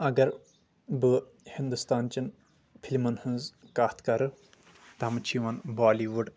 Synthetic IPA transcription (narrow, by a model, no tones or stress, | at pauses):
ɐɡɐɾ | bɨ | hind̪ust̪aːnt͡ʃɐn | pʰilʲmɐnhɨnzkaːt̪kɐɾɨ | t̪ɐɐmt͡ʃʰiʋɐnbaːliʋuɖ